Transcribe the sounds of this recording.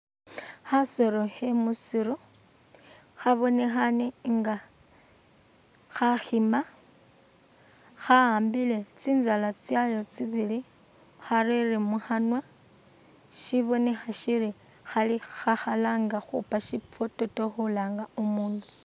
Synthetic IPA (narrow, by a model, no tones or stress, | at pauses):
xasoɾohemusiɾo | xaβo̞ne̞xaneŋɡa | xaxima | xaaːmbile̞t͡siːnzalat͡sjajo̞t͡siβili | xaririmuxanwa | ʃiβo̞ne̞xaʃiɾi | xalixaxalaŋɡaxṵpaʃip͡foto̞toxulaːŋɡaumuːndu